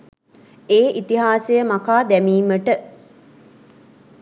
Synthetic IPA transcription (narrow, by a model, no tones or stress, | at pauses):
eːʔit̪iɦaːsejəmakaːd̪æmiːməʈə